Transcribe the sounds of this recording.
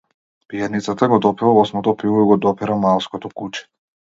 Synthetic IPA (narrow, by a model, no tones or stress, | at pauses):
pijanit̪sat̪aɡɔd̪ɔpivavɔsmɔt̪ɔpilɔiɡɔd̪ɔpiɾamalˠskɔt̪ɔkut͡ʃɛ̥